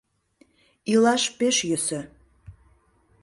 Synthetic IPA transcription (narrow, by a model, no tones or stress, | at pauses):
ilɑʃpeʃjøsə̆